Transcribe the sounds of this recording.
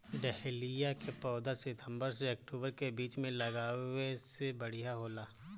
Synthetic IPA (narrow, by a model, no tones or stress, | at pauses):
ɖɛɦlijakepɔːd̪asɪt̪ʰə̃mbəɾseɐk̚ʈuːbəɾkebiːt͡ʃmẽlɐɡaːʋesebɐɽijaɦoːlaː